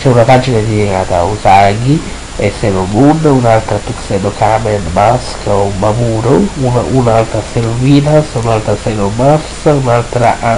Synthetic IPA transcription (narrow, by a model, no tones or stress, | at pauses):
t͡ʃɛunat̪ad͡ʒinad̪iɛɡaːt̪a̰usaɡi | ɛsːɛlobunːunalt̪ɾat̪uksɛdokamɛnbaskaumbamuɾuunaunalt̪ɾasɛluviːnasunalt̪ɾasɛlomafsunalt̪ɾaʔ